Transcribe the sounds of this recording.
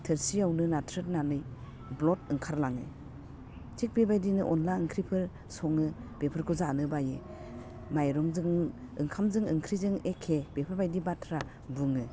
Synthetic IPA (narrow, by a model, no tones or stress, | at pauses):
tʰɯɾsiawnɯnatʰɾɯt̚nanɯj | blɔtɯŋkʰaɾlaŋɯ̰ | tʰik̚bebajdinɯʔɔnlaɯŋkʰɾipʰɯɾ | sɔŋɯ | b̥epʰɯɾkʰɔzanɯbajɯ | majɾɔŋzɯŋ | ɯŋkʰamzɯŋɯŋkʰɾizɯŋekʰːeb̥epʰɯɾbajdibatʰɾa | buŋɯ